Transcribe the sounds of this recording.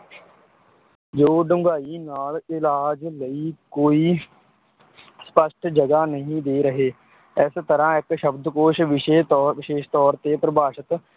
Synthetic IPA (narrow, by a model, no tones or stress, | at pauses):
d͡ʒoːɖʊ̃ŋɡaːinaːlɪlaːd͡ʒləiːkoːiː | spəʃʈʰd͡ʒəɡaːnəɦĩːd̪eːɾəɦeː | ɛːst̪əɾãːɪkʃəbd̪koːʃʋɪʃeːʋɪʃeːʃt̪ɔːɾt̪epɾəbʱaːʃət̪